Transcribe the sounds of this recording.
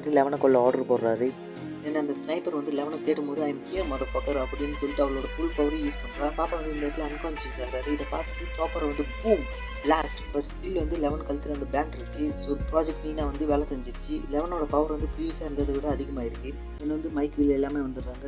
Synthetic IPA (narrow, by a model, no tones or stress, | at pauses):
ʈːɯlɛʋɐnɐkɔɭːɐɔːɽɐɾpoːɾɾaːɾɯ | ɛnːɐɐnd̪ɐsnɐɪpːɐɾʋɐnd̪ɯlɛʋɐnɐ̃k̪eːʈːɐmpoːðɯɐjɪnkijɐɾmɐðɐpoːkɐɾɐpːɐɽɪnːɯsɔlːɪʈːɯɐʋɐɭoːɽɐfʊɭpɐʋɐɾɐ̃jiːspɐɳːɾaːpaːpɐ̃ʋɐnd̪ɯɪnd̪ɐːɾt̪ɪlɐɐnkɐːnt͡ʃːɪsaːɾaːɾɯɪðɐpa̰ːɾt̪ɯ̥ʈːɯsoːpɐɾʋɐnd̪ɯbuːm | laːsʈbɐʈːst̪ɪlʋɐnd̪ɯlɛʋɐnkɐlt̪ɯlɐnd̪ɐbaːɳɖɪɾɯkːɯɔɾɯpɾaːd͡ʒɛk̚ʈniːnãːʋɐnd̪ɯʋeːlɐsɛɲd͡ʒɪɾɯt͡ʃːɯlɛʋɐnoːɽɐpɐʋɐɾʋɐnd̪ɯpiːʋɪsaːɪɾɯnd̪ɐðɐʋɪɽɐːðɪɣɐmaːɪɾɯkːɯ | ɛnːɐʋɐnd̪ɯmɐɪkʋɪlɐɛlːaːmeːʋɐnd̪ɯɾːaːŋɡɐ